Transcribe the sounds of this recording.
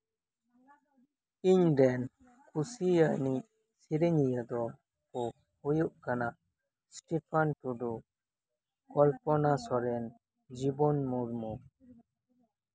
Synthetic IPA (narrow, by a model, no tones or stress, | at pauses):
iɲdɛn | kʰusijani | siɾɛɲijad̪ɔ | kɔ | hujuʔkanaʔ | sʈipʰantudu | kɔlpɔnasɔɾɛn | d͡ʒibɔnmuɾmu